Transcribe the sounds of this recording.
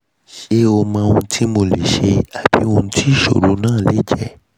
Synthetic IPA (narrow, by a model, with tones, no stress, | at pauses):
ʃe˦o˧mã˧ũ˧tʰi˦mo˧le˨ʃe˧a˨b̥ḭ˨˦ũ˧tʰi˦˨ʃo̰˨ɾu˨˦nãː˦˨le˦d͡ʒɛ˦˨